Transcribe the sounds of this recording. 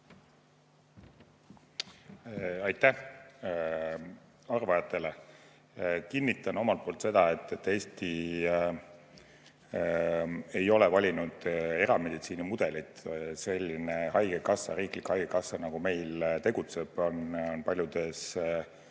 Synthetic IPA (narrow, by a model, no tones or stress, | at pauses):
ɑjt̪ˑːæh | ɑrvɑjɑt̪ˑːe̞le̞ | kinːit̪ːˑɑno̞mɑlt̪̚po̞ːlt̪se̞d̪̥ɑe̞t̪ːˑet̪ːe̞ːst̪i | e̞jo̞lɛvɑlʲinud̪̥e̞ɾɑme̞d̪̥it̪siːnimud̪̥e̞lit̪se̞lʲːinehɑjɡekɑsːɑ̰ɾiːklikhɑjɡ̥ekɑsːɑnɑɡ̥ume̞jlt̪e̞ɡut̪se̞b̥ononpɑlʲjud̪e̞s